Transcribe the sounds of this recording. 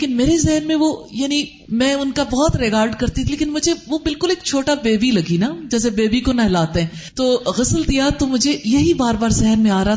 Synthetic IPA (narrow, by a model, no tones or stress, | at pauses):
leːkɪnmeːɾezɛɦnmẽʋojaːni | mɛ̃ːʊnkabɔɦɔt̪ɾɪkaːɾɖkɐɾt̪it̪ʰileːkɪnmʊd͡ʒʱeʋobɪlkʊleːk̚t͡ʃʰoːʈabeːbilɐɡinad͡ʒɛːs̬ebeːbikonɐɦlaːt̪eɦɛ̃ː | t̪oːɣɐsəlt̪ijat̪omʊd͡ʒʱejɐɦibaːɾbaːɾzɛɦnmẽaːɾɐɦa